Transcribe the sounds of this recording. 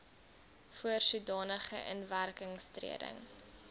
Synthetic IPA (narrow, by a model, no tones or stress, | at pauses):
fuərsudɑːnəχəʔənværkəŋstrḭədə̰ŋ